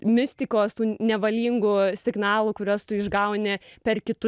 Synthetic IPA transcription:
mʲɪsʲt̪ʲɪkoːst̪uːnʲɛʋɐlʲiːŋɡʊsʲɪɡnɑːlˠuːkʊɾʲoːst̪ʊɪʒɡɐʊnʲɪpʲɛrkʲɪt̪ʊ

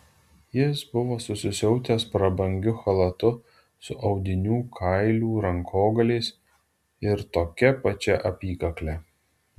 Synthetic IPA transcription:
jɪsbʊʋoːsʊsʲɪsʲɛʊt̪ʲeːspɾɐbɐŋʲɡʲʊxɐlˠɐt̪ʊ | sʊʔɒʊd̪ʲɪnʲuːkʰɐɪlʲuːɾɐŋkʰoːɡɐlʲɛɪs | ɪɾt̪oːkʲɛpɐt͡ʃʲɛʔɐpʲiːkɐklʲɛ

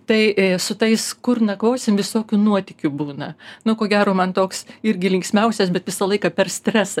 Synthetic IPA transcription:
t̪ɐɪsʊt̪ɐɪskʊrnɐkʋoːsʲɪmʋʲɪsoːkʲunuɔt̪ʲɪkʲʊbuːnɐnʊkoːɡʲæːɾoːmɐnt̪oːksɪɾʲɡʲɪlʲɪŋksʲmʲɛʊsʲɛsbʲɛt̪ʋʲɪsɐlˠɐɪkɐpʲɛrsʲt̪ʲɾʲɛsɐ

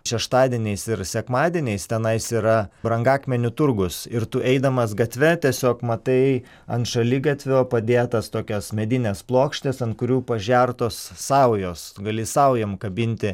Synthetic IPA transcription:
ʃʲɛʃt̪ɑːd̪ʲiɛnʲɛɪsɪɾsʲɛkmɑːd̪ʲiɛnʲɛɪst̪ʲɛnɐɪsiːɾɐbɾɐŋɡɑːkmʲɛnʲʊt̪ʊɾɡʊsɪɾt̪ʊʔɛɪd̪ɐmɐsɡɐt̪ʲʋʲɛt̪ʲiɛsʲoːkmɐt̪ɐɪ | ɐnt̪ʃɐlʲɪɡɐt̪ʲʋʲoːpɐd̪ʲeːt̪ɐst̪oːkʲɛsmʲɛd̪ʲɪnʲɛsplˠoːkʃʲt̪ʲɪsɐntkʊɾʲuːpɐʒʲæɾt̪oːsːɐʊjoːsɡɐlʲɪsɐʊjɛmkɐbʲɪnʲt̪ʲɪ

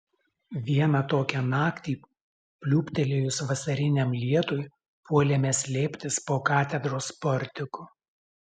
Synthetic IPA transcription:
ʋʲiɛnɑt̪oːkʲɛnɑːkt̪ʲiː | pʲlʲuːpʲt̪ʲɛlʲejʊsʋɐsɐɾʲɪnʲɛmlʲiɛt̪ʊj | puɔlʲɛmʲɛsʲlʲeːpʲt̪ʲɪspoːkɑːt̪ʲɛd̪ɾoːspɔɾʲt̪ʲɪkʊ

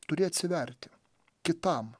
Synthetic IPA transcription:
t̪ʊɾʲeːɐt̪ʲsʲɪʋʲɛɾʲt̪ʲɪ | kʲɪt̪ɐm

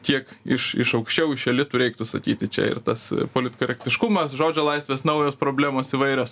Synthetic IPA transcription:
tʲiɛkɪʃɪ̰ʃɐʊkʃʲt͡ʃʲɛʊɪʃʲɛlʲɪt̪ʊɾʲɛɪk̚t̪ʊsɐkʲiːt̪ʲɪt͡ʃʲɛ̰ɪ̰rt̪ɐspoːlʲɪt̪ʲkoɾʲɛkt̪ʲɪʃkʊmɐsʒoːd͡ʒʲoːlˠɐɪsʲʋʲeːsnɐʊjoːspɾoːbʲlʲæːmoːsiʋɐɪɾʲoːs

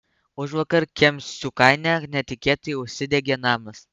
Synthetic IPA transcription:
ʊʃʋɐkɐɾkʲɛmʲssʊkɐɪnʲɛnʲɛt̪ʲɪkʲeːt̪ɐjʊʃʲsʲɪd̪ʲɛɡʲɛnɑːmɐs

